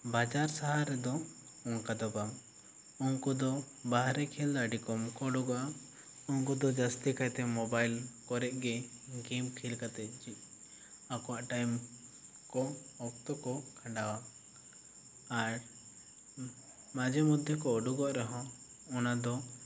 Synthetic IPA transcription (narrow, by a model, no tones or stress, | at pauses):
bad͡ʒaɾsaɦaɾɛd̪ɔ | ɔŋkad̪ɔbam | ɔŋkud̪ɔ | baɦɾɛkʰɛld̪aɖikɔmkɔɖuɡa | ɔŋkud̪ɔd͡ʒast̪ikajt̪ɛmɔbajlkɔɾɛʔ̚ɡɛɡimkʰilkat̪ɛt̪̚ˀd͡ʒiʔ̚ | akɔwaʔʈajm | kɔɔk̚t̪ɔkɔkʰãɳɖawa | aɾ | mad͡ʒɛmud̪ʱjɔkɔːɖuɡɔʔɾɔɦɔ̃ | ɔnad̪ɔ